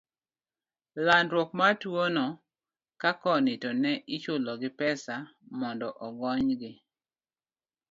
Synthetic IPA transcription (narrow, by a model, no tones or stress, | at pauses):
landɾwokmatwonɔ | kakɔnɪtɔnɛʔit͡ʃʊlɔɡɪpɛsamɔndɔʔɔɡɔɲɡɪ